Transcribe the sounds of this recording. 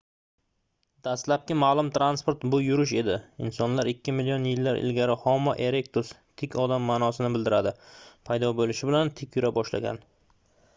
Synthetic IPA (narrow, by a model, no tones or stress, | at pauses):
d̪̥ast̪lap̚kʲɪmaːlˠʊmt̪ɾanspoɾt̪bʊjʊɾɪʃe̞d̪ɪɪ̰nsɒnlaɾɪkʲʰːɪmɪlijonjɪlːaɾʔɪ̰lɡʲaɾɪhɒmːɒʔeɾe̞kt̪ʰʊs | t̪ʰɪkʲʰɒd̪amːanɒsɪnɪbɪld̪ɪɾad̪ɪpʰajd̪ɒbolɪʃɪbɪlant̪ʰɪkʲʰjʊɾabɒʃla̰ɡʲa̰n